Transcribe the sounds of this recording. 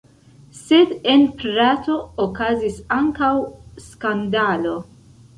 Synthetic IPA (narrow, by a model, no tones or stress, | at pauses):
sed̪enpɾaːt̪o̞ːkazisaŋkawskand̪aːlo̞